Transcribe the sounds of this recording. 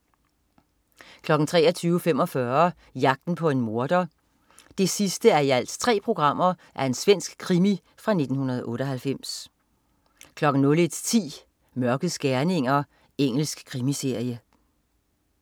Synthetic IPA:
kʰlɒ̽ɡ̥n̩t͡sʰʁɛ̰ːɐt͡sʰyːʊfem̰ɒ̽fɶɐ | jɑ̈ɡ̥̚d̥n̩pʰɒ̽e̝nmo̝ɐd̥ɐ | d̥e̝sisd̥əæɐiæl̰st͡sʰʁɛ̰ːpʰʁo̝ɡ̥ʁɑ̈m̰ɐ | ʔæɐe̝nsʋen̰sɡ̥kʰʁimi | fʁɑ̈ne̝d̥n̩hunɐð̞ˠʔɔ̽ːɾ̥ɒɦælfem̰s | kʰlɒ̽ɡ̥n̩nɔ̽led̥st͡sʰḭː | mɶɐɡ̥ð̩ˠsɡ̥æɐne̝ŋ̰ɐ | eŋ̰l̩sɡ̥kʰːʁimise̝ɐ̰jə

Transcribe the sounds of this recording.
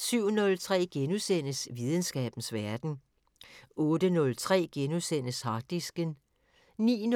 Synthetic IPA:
syʊ̰nɔ̽lt͡sʰʁɛ̰ːɡ̥enusen̰əsʋið̞ˠən̩sɡ̥ɛ̰ːb̥n̩sʋæɐd̥n̩ | ɔ̽ːd̥ənɔ̽lt͡sʰʁɛ̰ːɡ̥enusen̰əshɑ̈d̥isɡ̥ən | nḭːn

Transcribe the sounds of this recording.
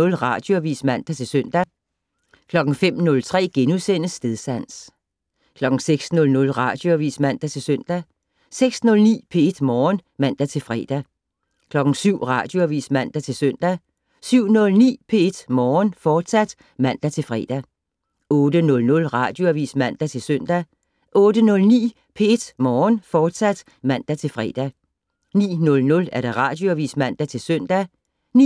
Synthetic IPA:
ɔ̽lʁɑ̈d̥jo̝æʋḭːsmæn̰d̥æt͡sʰe̝lsœn̰d̥æ | kʰlɒ̽ɡ̥n̩fem̰nɔ̽lt͡sʰʁɛ̰ːɡ̥enusen̰əsːd̥eðˠsæn̰s | kʰlɒ̽ɡ̥ŋ̩seɡ̥snɔ̽lnɔ̽lʁɑ̈d̥jo̝æʋḭːsmæn̰d̥æt͡sʰe̝lsøn̰d̥æ | seɡ̥snɔ̽lnḭːpʰe̝e̝d̥mɒːnmæn̰d̥æt͡sʰe̝lfʁɛ̰ːd̥æ | kʰlɒ̽ɡ̥n̩syʊ̰ʁɑ̈ːd̥jo̝æʋḭːsmæn̰d̥æt͡sʰe̝lsøn̰d̥æ | syʊ̰nɔ̽lnḭːpʰe̝e̝d̥mɒːnfɒːd̥sæd̥ | mæn̰d̥æt͡sʰe̝lfʁɛːd̥æ | ɔːd̥ənɔ̽lnɔ̽lʁɑ̈ːd̥jo̝æʋḭːsmæn̰d̥æt͡sʰe̝lsøn̰d̥æ | ʔɔ̽ːd̥ənɔ̽lnḭː | pʰee̝d̥mɒːnfɒːd̥sæd̥ | mæn̰d̥æt͡sʰe̝lfʁɛ̰d̥æ | nḭːnɔ̽lnɔ̽læɐɾ̥ɑ̈ʁɑ̈d̥joæʋḭːsmæn̰d̥æt͡sʰe̝lsœn̰d̥æ | ni

